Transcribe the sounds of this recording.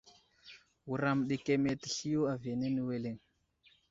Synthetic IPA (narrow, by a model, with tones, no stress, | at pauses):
wu˨ɾa˨m˨ɗe˨ke˨me˨tə̥˨ɬi˦jo˦a˨ve˨ne˦nə˨we˨le˦˨ŋ